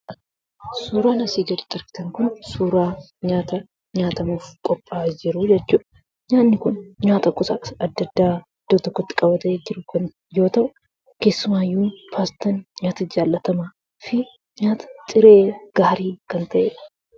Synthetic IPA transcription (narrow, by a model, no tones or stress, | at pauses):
suːɾaːnɐsiːɡɐɾɪt̪ʼɐɾkɪ̥t̪ɐŋkʊnsuːɾaː | ɲaːt̪ɐ | ɲaːt̪ɐmuːfkʼɔpʼːaːd͡ʒɪɾʊd͡ʒɛt͡ʃːuːᶑɐ | ɲaːnːɪkʊnɲaːt̪ɐkʊsɐɐd̪ːɐd̪ːaː | d̪̥ot̪ɔkːɔt̪ːɪ̥kʼɐbɐt̪ɐʔeːd͡ʒɪɾʊkɐn | jo̞ːt̪ɐʔʊ | ke̞ːsːʊmaːjːuːfaːst̪ɐnɲaːt̪ɐd͡ʒaːlːɐt̪ɐmaː | fɪ | ɲaːt̪ɐ̥t̪ʼɪɾe̞ːɡ̥aːɾiːkɐnt̪ʰɐʔeːᶑɐ̥